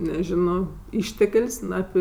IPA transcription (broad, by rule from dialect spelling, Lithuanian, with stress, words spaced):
nʲɛˈʒʲɪnoː ˈɪʃʲtʲɛkʲlʲsʲ ˈnʊ ɐpʲɪ